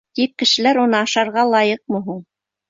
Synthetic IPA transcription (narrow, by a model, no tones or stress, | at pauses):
t̪ip̚kɘ̆ʃɘ̆læɾunɤɑʃɑɾʁɑlˠɑjɤq̚mɤ̆ɦuɴ